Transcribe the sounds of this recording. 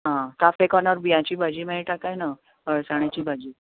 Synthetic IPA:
ɦãt̪afekɔnaɾbijãt͡ɕiːbʱad͡ʑiːmeɭiʈakajna | əɭsaɳ̃jat͡ɕiːbʱad͡ʑiː

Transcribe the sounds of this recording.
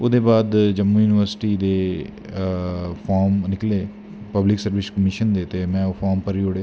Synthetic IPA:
oːd̪eːbaːd̪d͡ʒəmːuːjuːnɪʋəɾsɪ̥ʈiːd̪eː | pʰaːɾmnɪkleː | pəblɪksəɾʋɪskəmɪʃənd̪eːt̪eːmɛ̃ːofʰaːɾmpəɾioɽeː

